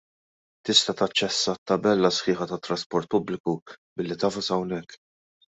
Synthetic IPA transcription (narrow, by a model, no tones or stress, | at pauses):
t̪ɪst̪ɐt̪ɐt͡ʃːɛsːɐt̪ːɐbɛlːɐsħɪːħɐt̪ɐt̪ːɾɐspɔɾt̪̚pʊblɪkubɪlːit̪ɐːfɐsɐwnɛkː